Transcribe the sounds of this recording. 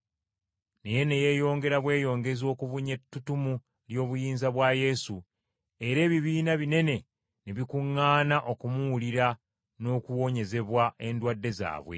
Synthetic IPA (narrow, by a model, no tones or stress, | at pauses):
neje̞ne̞je̞jo̞ːŋɡe̞ɾaβwe̞ːjo̞ːŋɡe̞zo̞ːkuvuɲetːutumu | ljo̞ːβujiːnzaβwaje̞su | e̞ɾe̞ːβiβiːnaβine̞ne̞ | neβikuŋːaːnaʔo̞kumuwuliɾa | no̞ːkuwo̞ːɲe̞ze̞βwae̞ndwadːe̞za̰ːβwe̞̰